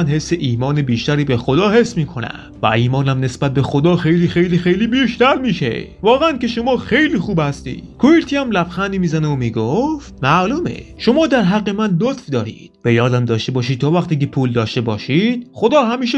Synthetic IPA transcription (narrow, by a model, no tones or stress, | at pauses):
nhe̞sːeʔiːmɒːnebiːʃt̪æɾiːbexod̪ɒːhe̞smiːkʰo̞næ̰ | væ̰iːmɒːnæmne̞sbæt̪̚be̞xod̪ɒːxejliːxejliːxejliːbiːʃt̪æɾmiːʃḛvɒːɣeænkeʃo̞mɒːxejliːxuːbhæst̪ḭːd̪̥kʰoiɾt̪ʰiːæmlæbxænd̪iːmiːzæneomiːɡoft̪mæʔluːmḛʃo̞mɒːd̪æɾɦæɢːemænlot̪fd̪ɒːɾḭːd̪̥̚b̥ejɒːd̪æmd̪ɒːʃt̪e̞bɒːʃ̬iːd̪̚t̪ʰɒːvæxt̪iːkepʰuːld̪ɒːʃt̪e̞bɒːʃiːd̪̥xod̪ɒːhæmiːʃ̬e